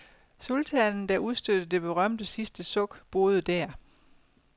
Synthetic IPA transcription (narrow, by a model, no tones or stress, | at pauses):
solt͡sʰɛnn̩d̥æʔuðˠsd̥ød̥ð̩d̥e̝b̥e̝ʁɶm̰d̥əsisd̥əsɔ̽ɡ̥b̥o̝ːð̞ˠəd̥æɐ